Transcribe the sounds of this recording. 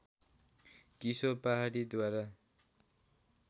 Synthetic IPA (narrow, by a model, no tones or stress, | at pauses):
kisopaɦaɾid̪waɾa